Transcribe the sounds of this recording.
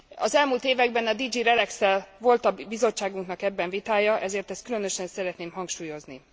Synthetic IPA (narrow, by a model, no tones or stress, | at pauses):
ɒ̰zɛlmuːlt̪eːvɛɡbɛnɒd̪id͡ʒiɾɛlɛksɛlvo̞lt̪ɒbizo̞t͡ʃːaːɡuŋknɒkɛbːɛɱvit̪aːjɒʔɛzeːrt̪ɛst̪̚kylø̞nø̞ʃɛnsɛɾɛt̪neːmɦɒŋkʃuːjo̞zni